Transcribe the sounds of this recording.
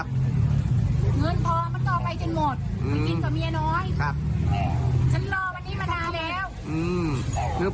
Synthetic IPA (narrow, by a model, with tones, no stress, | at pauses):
p̚ | ŋɯɤ˧˥˨nt̪ʰɔː˨˦maː˧nt̪ɔː˨˩pa˧jt͡ɕo˧nmo˨˩t̪̚ɯ˧˥˦ki˧nkʰɔː˨˩mi˧nɔː˦˥jʰp̚ | t͡ɕʰa˧˥nlɔː˧wa˧nːiː˦˥˩maː˧nːaː˧lɛː˦˥˩w | ʔɯː˧˩mkʰɯ˧˩